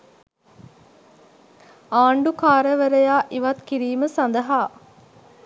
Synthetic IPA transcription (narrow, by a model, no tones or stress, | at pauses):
aːɳɖukaːɾəʋəɾəjaːʔiʋɐt̪kiɾiːməsand̪əɦaː